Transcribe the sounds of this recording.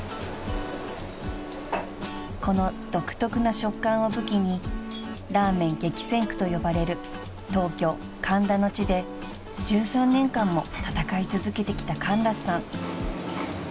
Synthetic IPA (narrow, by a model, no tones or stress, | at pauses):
ko̞no̞d̪̥o̞kɯ̟̥t̪o̞kɯ̟naɕo̞kːãɰ̃o̞bɯ̟kʲiɲ̟i | ɾaːmẽ̞ŋɡe̞kʲi̥sẽ̞ŋkɯ̟̥t̪o̞jo̞baɾe̞ɾɯ̟ | t̪o̞ːkʲo̞ː | kʰãnɾano̞t͡ɕid̪e̞ | d͡ʑɨːsãnːẽ̞ŋkãmːo̞̰t̪at̪akait͡sɨzɨke̞t̪e̞kʲi̥t̪akãnɾassãŋ